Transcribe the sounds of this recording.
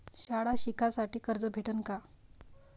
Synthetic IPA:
ɕaɽaɕikʰasaʈiːkəɾd͡zəbʱeʈənka

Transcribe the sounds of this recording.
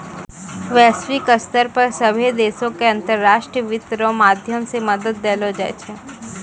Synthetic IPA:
ʋɛːsʋikəst̪əɾpɐɾsɐbʱid̪eːsõkeɐ̃nt̪əɾːaːʃʈɾəʋɪt̪ɾõmaːd̪ʱjəmsemɐd̪əd̪̚ːeːlod͡ʒɛ̰t͡ʃʰɛ

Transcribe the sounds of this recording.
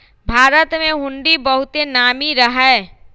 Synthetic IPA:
bʱaːɾət̪mẽɦʊ̃ɳɖibəɦʊt̪enaːmiɾəɦɛ

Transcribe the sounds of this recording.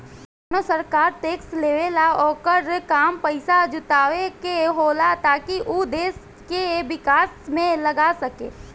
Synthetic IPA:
nosəɾkaːɾʈeːksleːʋelaɔːkəɾkaːmpɐɪsad͡ʒʊt̪aːʋekeɦoːlat̪aːkiʔud̪eːs | keʋɪkaːsmẽlɐɡasɐkḛː

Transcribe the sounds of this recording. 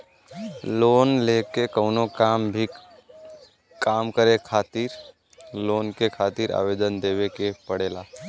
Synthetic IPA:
loːnlekekəʊnokaːmbʱi | kaːmkəɾekʰaːt̪iɾ | loːnkekʰaːt̪iɾa̰ːʋeːd̪ənd̪eːʋekepəɽeːlaː

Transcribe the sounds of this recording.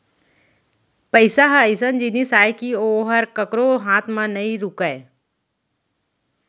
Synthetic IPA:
pəɪsaɦaɪsənd͡ʒinisaːekioːɦɐɾkəkɾoɦãːt̪ʰmãnɐĩɾʊkəe

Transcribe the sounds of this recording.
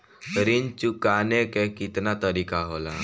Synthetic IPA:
ɾint͡ʃukanekekit̪nat̪əɾikaɦola

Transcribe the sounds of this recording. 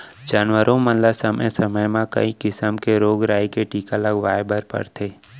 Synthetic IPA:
d͡ʒaːnwəɾʔõmənlasəməjsəməjmãkɐ̰ikɪsəmkeɾoːɡɾaːikeʈiːkaləɡʋaːjbʱəɾpə̰ɾt̪ʰeː

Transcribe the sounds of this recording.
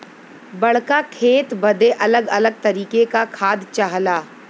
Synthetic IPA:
bɐɽ̤kakʰeːt̪bɐd̪eʔɐləɡɐləɡ̚t̪ɐɾiːkekakʰaːd̪t͡ʃaɦlaː

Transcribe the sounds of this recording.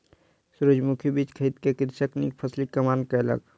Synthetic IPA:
suɾəd͡ʒmukʰjibiːt͡ʃkʰəit̪kekɪɾsəknipʰɐslikɐmaːnkaɐlə̰ɡ

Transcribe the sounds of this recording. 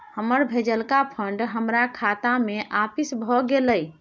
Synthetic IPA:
həməɾbʱed͡ʒəlkapʰəɳɖɦəmɾakʰat̪ameʔapisbʱɔɡeləj

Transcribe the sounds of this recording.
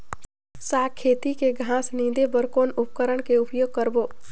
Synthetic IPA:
saːkʰːeːt̪ikeɡʱãːsnĩːd̪ebəɾkoːnʊp̚kəɾəɽ̃keʊpjoːɡ̚kəɾboː

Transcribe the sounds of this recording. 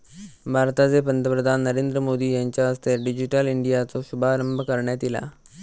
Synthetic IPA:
bʱaːɾt̪aːd̪eːpənt̪əpɾəd̪ʱaːnːəɾẽːnd̪ɾəmoːd̪iːəɲt͡ʃaːst̪eɖɪd͡ʒɪʈəlɪɳɖijaːt̪õːʃʊbaːɾəmbʱkəɾɳɛːt̪ɪla̰ː

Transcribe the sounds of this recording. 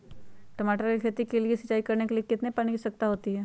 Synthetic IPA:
ʈɐmaːʈəɾkekʰeːt̪ikeliesɐt͡ʃːaːikɐɾnekeliekɪt̪nepɐnikisɐk̚t̪aɦoːt̪iɦɛː

